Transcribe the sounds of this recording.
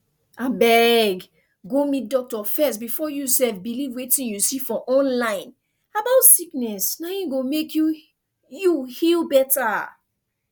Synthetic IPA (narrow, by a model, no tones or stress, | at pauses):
abɛɡ | ɡomit̚dɔk̚tɔfɛstbifɔjusɛfbilivwetĩnjusifɔ̃ʔɔ̃nlãɪ̃n | abaʊtsiknɛsnajĩɡomekʰju | juhilbɛta